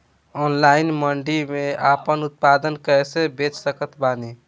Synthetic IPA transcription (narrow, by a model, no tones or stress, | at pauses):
ɔnlainməɳɖimeapənut̪̚pad̪ənkəɛsebet͡ʃsəkət̪bani